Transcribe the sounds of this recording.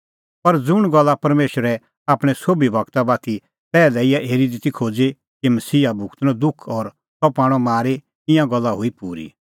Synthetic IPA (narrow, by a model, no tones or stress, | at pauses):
pɐɾd͡zʊɽ̃ɡɔlːapɐɾmeːʃəɾɛ | aːpɽ̃ɛsoːbibʱɐkt̪abaːt̪i | pɛːlɛɪjaʔeːɾid̪it̪ikʰoːd͡ze | kimɐsiːabʱʊkt̪nɔ̃d̪ʊkʰɔːɾ | sɔpaːɽ̃ɔmaːɾe | ɪ̃jãɡɔlːaɦuipuːɾḭ